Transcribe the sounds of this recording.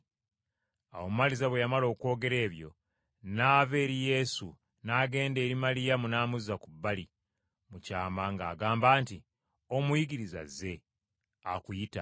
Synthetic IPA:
awo̞mumalizaβwejamalo̞ːkwo̞ːɡe̞ɾe̞ːβjo̞̰ | naːve̞ːɾije̞su | naːɡe̞ːnde̞ːɾimalijamunaːmuzakubːali | mucaːmaŋɡa̰ːɡaːmbaːnti | o̞mujiɡiɾiza̰ze̞ | akujita̰

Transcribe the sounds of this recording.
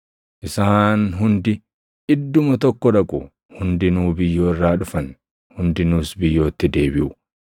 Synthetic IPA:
ʔɪsaːnɦʊnd̪ɪ | ʔɪd̪ːʊmɐt̪ɔkːɔᶑɐkʼʊ̰ | hʊnd̪ɪnuːbɪjːo̞ːɪrːaːᶑʊfɐn | hʊnd̪ɪnuːsbɪjːo̞ːt̪ːɪd̪e̞ːbɪʔʊ

